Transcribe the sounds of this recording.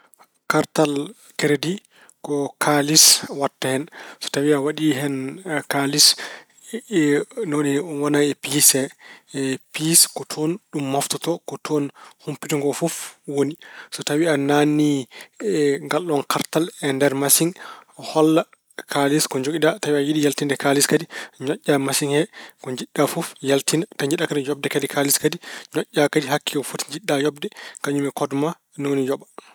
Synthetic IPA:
kaɾtal | kɛɾedi | kɔkʰaliswatːahɛnsɔ̥tawiawaɗiɦɛnkalis | nɔnɛɔnwanaɛpisɛ | piskɔtʰɔnɗumːaftɔtɔkɔtʰɔnhumpituŋɡɔfɔfwonisɔtawianani | ŋɡalːɔnkʰaɾtalɛndɛɾmasiŋhɔlːa | kʰaliskɔɲd͡ʒoɡidatawiajiɗijaltindɛkaliskadiɲɔʔʲːamasiŋhɛkɔɲd͡ʒiɗːafufjaltintaɲd͡ʒiɗakadijɔb̚dɛkadikʰaliskadiɲɔʔʲːakadiɦakːiɡɔfutɲd͡ʒiɗːajɔbdɛkaɲumɛkɔdma | nɔwonid͡ʒɔɓa

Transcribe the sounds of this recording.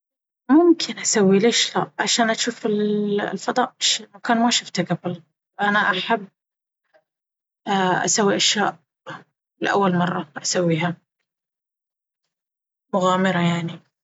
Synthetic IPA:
mʊmkʰɪnʔasawːileːʃla̰ʔʕaʃaːnʔaʃuːfɪllfɑd̪ˤɑːʔʃmakaːnmaʃʊft̪aɡabl | ʔanaʔaħabː | ʔa̰sawːiʔaʃjaːʔ | lɪʔa̰wːalmɑrˤːɑʔasawːiːɦa | mʊɣaːmɪɾɑjaʕni

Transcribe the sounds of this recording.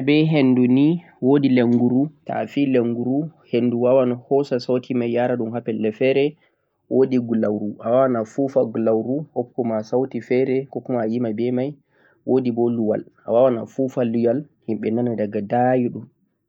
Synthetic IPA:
bɛɦenːduni | wodileŋɡuɾuta̰fileŋɡuɾuhenduwawanahɔsasawtʰimajːaɾaɗumɦapɛlːɛfɛɾɛ | wʔodiɡulawɾuʔawawanafufaɡulawɾuhɔp̚kumasawtifɛɾɛkɔkumaːjimajbɛmaj | wodibɔluwa̰lawawana̰fufalːujal | himɓɛnanadaɡadajiɗum

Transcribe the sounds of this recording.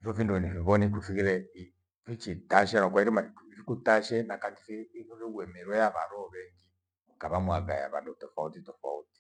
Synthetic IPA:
ifɔfindunifiβɔnikufikiɾɛi | fit͡ʃitaʃɛnɔkwaiɾimafikutaʃɛnakati̥fiːɾiɡwɛmɛɾwɛjaβaɾɔβɛŋɡi | kaβamwaɡa̰ja̰βa̰ndutɔfautitɔfa̰uti̥

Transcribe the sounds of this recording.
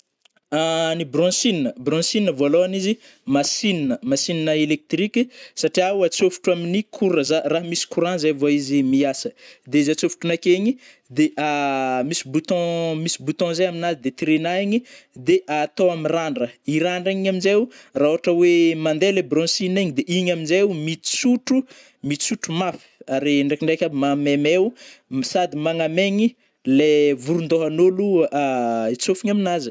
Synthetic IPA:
anibrɔ̃sininəbrɔ̃sininəvoaloanizi | masininəmasininəelek̚t̪rikʲisaʈ͡ʂiawat͡sofu̥ʈ͡ʂuaminikʰuɾəzaraɦmisi̥kuɾãzajvoaizimiasəd̪eizat͡sofu̥ʈ͡ʂunakeɲi | d̪eʔamisibut̪ɔ̃misibut̪ɔ̃zajaminazid̪et̪iɾenaiɲid̪eʔat̪oamiraɳɖ͡ʐəiɾaɳɖ͡ʐaiɲaminzewurauɦaʈ͡ʂəwemand̪elebrɔ̃siniɲid̪eʔiɲaminzeumit̪t͡suʈ͡ʂu | mit͡suʈ͡ʂumafi̥aɾiɳɖ͡ʐekiɳɖ͡ʐekʲabmamemewsad̪imaŋameɲi | levuɾund̪oɦanoluait͡sofiɲaminazi̥

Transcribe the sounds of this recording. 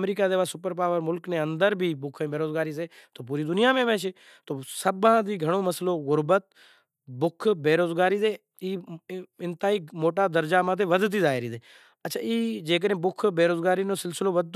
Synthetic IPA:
mɾiːkaːd̪eːʋaːsʊpəɾp̬aːʋəɾmʊlknẽːə̃nd̪əɾbʱiːbʊkʰẽbeːɾoːzɡaːɾiːs̬eːt̪oːp̬uːɾiːd̪ʊnijaːmẽːʋẽːʃeː | t̪oːsəbãːd̪iːɡʱəɽ̃oːməsəloːɣʊɾbət̪̚ | bʊkʰbeːɾoːzɡaːɾiːzeː | iːɪnt̪aːiːmoːʈaːd̪əɾd͡ʒaːmãːt̪̬ʰeːʋəd̪t̪̬iːzaːɪɾiːd̪eː | ətːt͡ʃʰaːiːd͡ʒeːk̬əɗẽːbʊkʰbeːɾoːzɡaːɾiːnoːsɪlsɪloːʋəd̪̚

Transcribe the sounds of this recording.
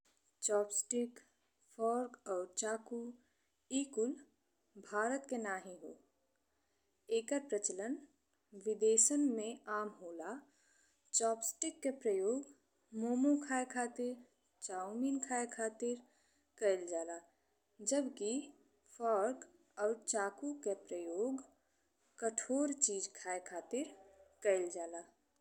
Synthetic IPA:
t͡ʃɔːpsʈɪk | fʰɔːɾɡɔːɾt͡ʃaːku | iːkʊl | bʱaːɾət̪kenaːɦĩɦoː | eːkəɾpɾət͡ʃələn | ʋɪd̪eːʃənmẽaːmɦoːla | t͡ʃɔːpsʈɪkːepɾəjoːɡ | moːmokʰaːekʰaːt̪ɪɾ | t͡ʃaːumiːnkʰaːekʰaːt̪ɪɾ | kəɪld͡ʒaːla | d͡ʒəbki | fʰɔːɾk | ɔːɾt͡ʃaːkukepɾəjoːɡ | kəʈʰoːɾt͡ʃiːd͡ʒkʰaːekʰaːt̪ɪɾkəɪld͡ʒaːlaː

